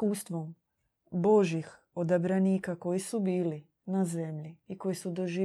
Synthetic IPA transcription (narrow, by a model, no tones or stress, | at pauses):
uːst̪ʋo̞m | bo̞ʒjix | od̪abɾaniːkako̞jisubiːli | naze̞mʎiiko̞jisud̪o̞ʒiː